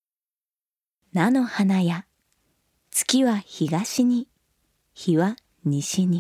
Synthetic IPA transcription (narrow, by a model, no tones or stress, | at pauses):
nano̞hanaja | t͡sɨ̥kʲiβaçiɡaɕiɲ̟i | çiβa | ɲ̟iɕiɲ̟i